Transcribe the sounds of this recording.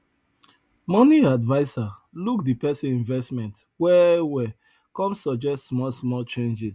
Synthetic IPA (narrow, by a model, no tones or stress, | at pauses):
mɔniadvaɪsalukdipɛsĩnĩnvɛstmɛ̃nt | wɛwɛ | kɔ̃msɔd͡ʒɛstsmɔlsmɔlt͡ʃẽnd͡ʒis